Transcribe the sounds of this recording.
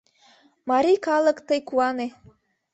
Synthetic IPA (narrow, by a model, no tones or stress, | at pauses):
mɑɾikɑləkt̪əjkuɑne